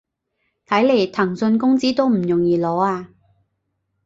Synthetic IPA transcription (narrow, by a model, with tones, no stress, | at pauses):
t̪ʰɐ˨˥jle˨˩jt̪ʰɐ˨˩ŋsɵ˧nkʊ˥ŋt͡siː˥t̪o˥wm̩˨˩jʊ˨˩ŋjiː˨˧lɔː˨˥aː˧